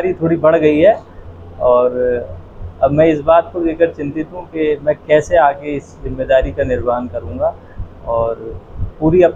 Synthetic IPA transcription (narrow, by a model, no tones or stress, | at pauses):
ɾit̪ʰoːɽibɐɽ̤ɡɐiɦɛː | ɔːɾ | ɐbmɛ̃ːɪsbaːt̪kod̪eːkəɾt͡ʃɪ̃nt̪ɪt̪ɦũkemɛ̃ːkɛːseaːɡeɪszɪmːeːd̪aːɾikanɪɾbaːnkɐɾũːŋɡa | ɔːɾpuːɾiɐp